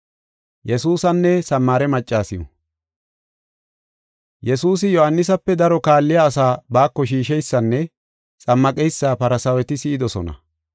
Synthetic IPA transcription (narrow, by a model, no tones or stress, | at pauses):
jɛsuːsɐnːɛsɐmːaːɾɛmɐt͡ʃʼːaːsɪjɔ̰ | jɛsuːs̬ɪjɔhɐnːɪs̬ɐpːɛd̪ɐɾɔkaːlːɪjaːsaːbaːkːɔʃiːʃɛjsːɐnːɛ | t͡sʼɐmːɐkʼɛjsːaːpɐɾɐsɐwɛt̪ɪsɪɪd̪ɔsɔ̰nɐ̰